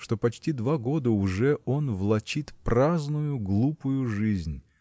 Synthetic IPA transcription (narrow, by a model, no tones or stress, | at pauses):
ʂt̪o̞pɐt͡ɕtʲid̪vaɡo̞d̪əʊʐɛo̞nvlˠɐt͡ɕit̪praznʊjʊɡlˠupʊjʊʐɨzʲnʲ